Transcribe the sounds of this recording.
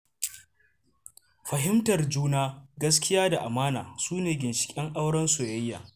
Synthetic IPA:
ɸɐ˨ɦɪ˦mtɐ˨rd͡ʒuː˦naː˦ɡɐ˦s̬kʲɪ˦jaː˦da˨ʔa˨maː˦na̰ː˨suː˦neː˨ɡʲɪ˨nʃɪ̥˨kʲʼɛ˦ŋʔa˦wɽɐ˦nso˨jɐ˦jːa̰ː˨

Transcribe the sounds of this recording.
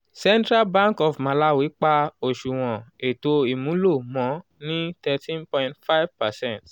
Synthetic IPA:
sɛ̃˦ntɾa˦lbã˦ŋkɔ˨fmã˧la˦wi˨˦k͡pa˧o˨ʃu˨w̃ɔ̃˨e˨to˧i˨mũ˨˦lo˦˨mɔ̃˨˦ | nĩ˦tɛ˧tĩ˦npɔ̃˧ĩntfa˦jvpa˨sɛ̃˦nt

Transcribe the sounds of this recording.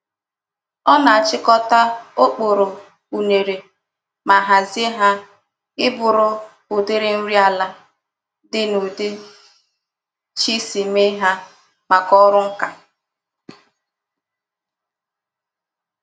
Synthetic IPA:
ɔ˦na˨a˨t͡ʃɪ˦kɔ˦ta˦o˦k͡po˨ɾo˨ | u˨ne˨ɾe˨ | ma˨ɦa˨ze˦ɦa˦ | ɪ˦bʊ˨ɾʊ˦ | ʊ˨dɪ˦ɾɪ˦n̩˦ɾi˦a˨la˦ | dɪ˦no˨de˦ | t͡ʃi˦si˨me˦ɦa˦ | ma˨kɔ˦ɾʊ˦ŋ̩˦ka˨

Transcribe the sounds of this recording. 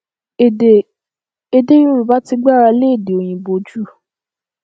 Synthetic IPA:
e˨de˦jũ˦ɾu˨ba˦ti˧ɡ͡ba˦˨ɾa˧le˦e˦˨de˨o˨j̃ĩ˨bo˧d͡ʒu˦˨

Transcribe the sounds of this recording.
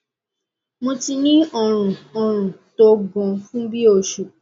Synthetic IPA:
mõ˧ti˧nĩ˦ɔ˦˨ɾ̃ũ˨ɔ˨ɾ̃ũ˨to˨˦ɡɔ̃˨˧fũ˦bi˦o˧˨ʃu˨

